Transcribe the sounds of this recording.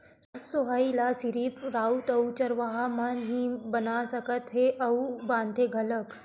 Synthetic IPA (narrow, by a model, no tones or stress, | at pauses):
soɦailasiɾiːpɾaut̪əwt͡ɕəɾʋaɦamənɦĩbənasəkət̪ɦeʔɐwbãnd̪ʱeɡʱələk